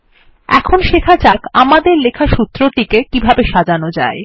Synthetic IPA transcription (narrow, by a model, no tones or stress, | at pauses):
ɛ̰kʰonʃekʰat͡ɕakamad̪eɾlekʰaʃut̪ːɾoʈikekibʱabeʃad͡ʑanod͡ʑa̰e